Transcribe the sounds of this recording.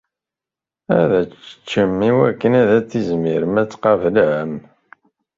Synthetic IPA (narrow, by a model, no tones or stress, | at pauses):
æðæt͡sːə̥t͡ʃːəmːiwækːənæðæt͡sːizmiɾəmæt͡sːqɑvəlʕəm